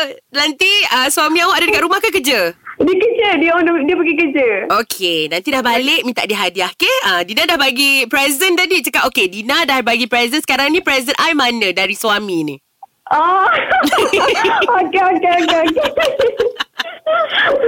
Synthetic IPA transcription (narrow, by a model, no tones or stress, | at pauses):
nant̪iəswamĩawaʔadadəkanɾumahkək̬əd͡ʒədiəkəd͡ʒədiɔ̃dədiəpəɡikəd͡ʒəokʰenãnt̪idahbalek̚mĩnt̪a̰ʔdiɦadiahkeədinadahbaɡipɾɛzzənt̪adit͡ʃəkatokedinadahbaɡipɾɛzənsə̥kaɾaŋnĩpɾɛzənʔajmanə̃daɾiswamĩnḭ | a | okeokeokeokee